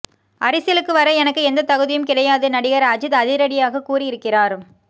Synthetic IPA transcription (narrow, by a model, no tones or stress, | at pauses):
ʔɐɾɪsɪjɐlɯkːɯʋɐɾɐɛnɐkːɯɛnd̪ɐt̪ɐɣɯðɪjɯmkɪɽɐjaːðɯnɐɽɪɣɐɾɐd͡ʒɯt̪ɐðɪɾɐɽɪjaːɣɐkuːrɪɪɾɯkːɪraːɾ